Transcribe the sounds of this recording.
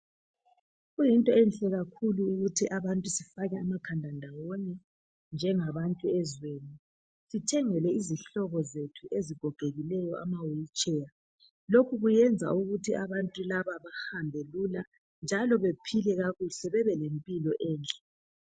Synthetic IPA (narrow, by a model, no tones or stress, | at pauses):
ɣujintʼɔɛnɬɛɣakʰuluːɣutʰiʔaβantʼusifaɣɛamakʰandʱandʱawɔnɛ | nd͡ʒʱɛŋaβantʼuɛzweːni | sitʰɛŋɛlɛiziɬɔɣɔzetʰuʔeziɡ̥ʱɔɡ̥ʱeɣilɛjɔʔa̰mawit͡ʃʼɛja | lokʰuɣujɛnd͡zʱa̰uɣutʰiaβantʼulaβaβahambʱelula | nd͡ʒʱalɔβepʰilɛɣaɣuɬɛβɛβɛlempʼilɔʔɛːnt͡ɬʼɛ̥